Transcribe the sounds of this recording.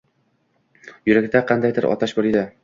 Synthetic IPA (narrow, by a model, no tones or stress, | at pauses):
jɵɾakʲd̪aqɑnd̪ajd̪ɪɾʔɒ̰t̪aʃboɾid̪ɪ